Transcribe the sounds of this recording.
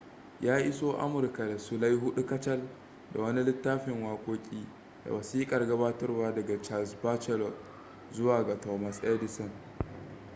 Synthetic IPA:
jaː˦ʔɪ˦soː˦ʔa̰˦mʊ˨rka˨da˨su˦la˦jɦʊ˦ɗu˦kɐ˦t͡ʃɐ˦l | da̰˨wɐ˦ni˦lɪ˦tːaː˦ɸɪ˨ŋwaː˦kʷʼoː˦kʲʼiː˦ | da̰˨wɐ˨siː˦kʼɐ˨rɡɐ˦baː˦tɐ˦rwaː˦dɐ˨ɡa˨t͡ʃa˦˨sba˦t͡ʃɛ˦lɔ˨ | zʊ˦waː˨ɡa˨tɔ˨ma˨sʔɛ˦dɪ˨sɔ˨n

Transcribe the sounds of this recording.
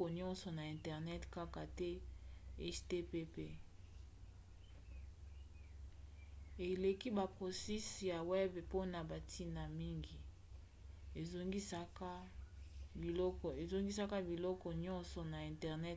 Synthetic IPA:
ɔ˨ɲɔ̃˦nsɔ˨na˨ɛ̃˨ntɛ˨ʁnɛ˦tka˦ka˨tɛ˦ɛ˦ste˦pe˦pe˦ | e˨le˨ki˦ba˨pʁo˨si˦sja˨wɛ˦bpo˦na˨ba˨tʰi˦na˨mi˦ŋɡi˨ | e˨zo˦ŋɡi˦sa˦ka˦ | bi˨lɔ˦kɔ˨e˨zo˦ŋɡi˦sa˦ka˦bi˨lɔ˦kɔ˨ɲɔ̃˦nsɔ˨na˨ɛ̃˨ntɛ˨ʁnɛ˦t

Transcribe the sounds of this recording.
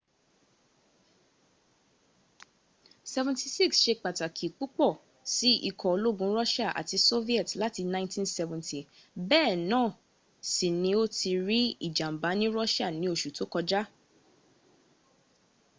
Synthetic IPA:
sɛ˧vɛ̃˨nti˨si˦ksʃe˧k͡pa˨ta˨kʰi˨k͡pu˦k͡pɔ˦˨ | si˦ḭ˦˧˨kʰɔ˨o˧lo˦ɡũ˧˦ɾɔ˦ʃa˦˨ʔa̰˨ti˧so˦vi˦ɛ˦˨tla˦ti˧nã˦ɪ̃ntĩ˦nsɛ˧vɛ̃˨ntʰi˨ | bɛː˦˨nãː˦˨ | si˨nĩ˧˦o˦ti˧ɾi˦ḭ˦˨d͡ʒa˨m̩˨ba˨˦nĩ˦ɾɔ˦ʃa˦˨nĩ˧˦o˦˨ʃu˨to˨˦kɔ˧d͡ʒa˦

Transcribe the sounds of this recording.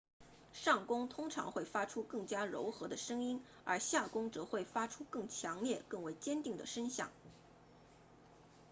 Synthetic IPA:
ʂɑ˥˩ŋkʊ˥ŋt̪ʰʊ˥ŋʈ͡ʂʰɑ̰˧˥ŋxwe˥˩ɪfa˥ʈ͡ʂʰu˥kɤ˥˩ŋt͡ɕja˥ɻo˧˥ʊxɤ˧˥d̪ə˧ʂɤ˥ŋi˥n | ə˞˧˥ɕja˥˩kʊ˥ŋʈ͡ʂɤ˧˥xwe˥˩ɪfa˥ʈ͡ʂʰu˥kɤ˥˩ŋt͡ɕʰjɑ˧˥ŋljɛ˥˧kɤ˥˩ŋwe˧˥ɪt͡ɕjɛ˥nt̪i˥˩ŋd̪ə̰˩ʂə˥nɕjɑ̰˥˩ŋ

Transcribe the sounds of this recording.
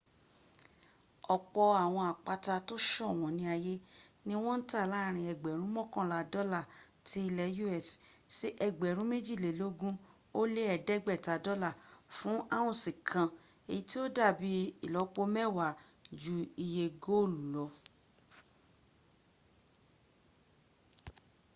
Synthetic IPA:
ɔ˨k͡pɔ˧a˨w̃ɔ̃˧a˨k͡pa˧ta˧to˦ʃɔ˦˨w̃ɔ̃˨˦nĩ˧˦a˧je˦nĩ˦w̃ɔ̃˦n̩˦ta˦˨la˦˨ɾ̃ĩ˧ɛ˧˨ɡ͡bɛ˨ɾ̃ũ˨˦mɔ̃˦kɔ̃˦˨la˧dɔ˦la˦˨ | tʰi˧˦i˧lɛ˧ju˦ɛ˦˨ssi˦ʔɛ˧ɡ͡bɛ˨ɾ̃ũ˦me˦d͡ʒi˦˨le˨lo˦ɡũ˦ | o˦le˦ɛ˧˨dɛ˦ɡ͡bɛ˦˨ta˨˧dɔ˦la˦˨fũ˦ʔa˦˨w̃ɔ̃˦˨sĩ˨kʰã˧ | e˨ji˨˦ti˦o˦da˦˨bi˧i˨lɔ˨˧k͡po˧mɛ˦wa˨ | d͡ʒu˧i˧je˧ɡo˦o˦˨lu˨lɔ˧˦

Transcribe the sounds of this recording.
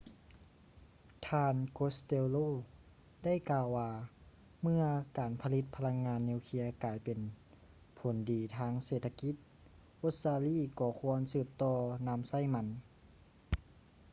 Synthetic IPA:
t̪ʰaː˧nko˧˥st̪eː˧loː˥˨ | da˥˩jkaː˧wːaː˧˩ | mɯ˧ɐkaː˨˩npʰa˧li˧t̪̚pʰa˧la˧˥ŋːaː˧nːeː˧˨wkʰi˧˥ɐkaː˨˩jpe˨n | pʰo˨˩˦ndiː˨˩t̪ʰaː˧˥ŋseː˨˩t̪ʰːa˧ki˧˥t̪̚ | ʔo˧˥t̪̚saː˧liː˧˥˨kɔː˧˩kʰu˧˥ənsɯː˧˩p̚t̪ɔː˧na˧˥msa˧˥˩jma˧˥n

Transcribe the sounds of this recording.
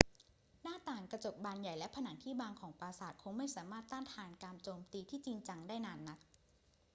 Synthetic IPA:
naː˥˩t̪aː˨˩ŋkɾa˧t͡ɕo˨˩p̚baː˧nja˨˩jlɛ˦˥pʰa˧naː˩˦ŋt̪ʰiː˥˩baː˧ŋkʰɔː˩˦ŋpaː˧saː˨˩t̪̚kʰo˧ŋma˥˩jsaː˩˦maː˥˩t̪ːaː˥˩t̪ʰaː˧nkaː˧mt͡ɕoː˧mt̪iː˧t̪ʰiː˥˩t͡ɕi˧ŋt͡ɕa˧ŋdaː˥˩jnaː˧nːa˦˥t̪̚

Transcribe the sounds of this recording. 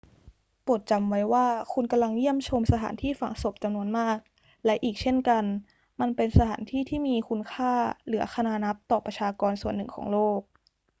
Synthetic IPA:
pu˨˩ət̪̚t͡ɕa˧mwa˦˥jwaː˥˩kʰu˧nka˧mla˧ŋji˥˩əmt͡ɕʰo˧msa˧t̪ʰa̰ː˩˦nt̪ʰiː˥˩fa˨˩ŋso˨˩p̚t͡ɕa˧mnu˧ənmaː˥˩k̚ | lɛ˦˥ʔiː˨˩k̚t͡ɕʰe˥˩nka˧n | ma˧npe˧nsa˧t̪ʰaː˩˦nt̪ʰiː˥˩t̪ʰiː˥˩miː˧kʰu˧nkʰaː˥˩lɯ˩˦ɐxʰa˧naː˧na˦˥p̚t̪ɔː˨˩pɾa˧t͡ɕʰaː˧kɔː˧nsu˨˩ənːɯ˨˩ŋkʰɔ̰ː˩˦ŋloː˥˩k̚

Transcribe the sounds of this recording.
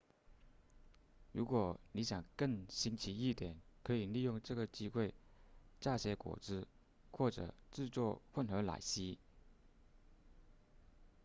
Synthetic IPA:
ɻu˧˥kwɔ˨˩ni˧˥ɕjɑ˨˩ŋkə˥˩ŋɕi˧˥nt͡ɕʰi˧˥i˥˩t̪jɛ˨˩˦nkʰɤ˧˥i˨˩li˥˧jʊ˥˧ŋʈ͡ʂɤ˥˩ɡə˩t͡ɕi˥xwe˥˧ɪt͡ɕa˥˩ɕjɛ˧˥kwɔ̰˨˩t͡sɹ̩˥ | xwɔ˥˩ʈ͡ʂɤ̰˨˩ʈ͡ʂɻ̩˥˧t͡swɔ˥˧xwə˥˩nxə˧˥la̰˨˩ɪɕi˥

